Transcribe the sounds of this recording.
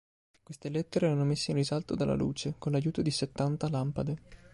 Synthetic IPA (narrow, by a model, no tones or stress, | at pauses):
kwest̪elet̪ːeɾeɾanːomesːeinrizalt̪od̪alːa̰lṵːt͡ʃekonlajuːt̪od̪iset̪ːant̪alampad̪e